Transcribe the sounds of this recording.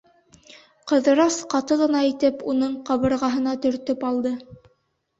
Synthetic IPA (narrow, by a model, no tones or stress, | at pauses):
qɤ̆ðɤ̆ɾɑsqɑt̪ɤʁɤ̆nɑit̪ɘpunɤɴqɑβɤ̆ɾʁɑɦɤ̆nɑt̪ɵ̆ɾt̪ɵpɑlˠd̪ɤ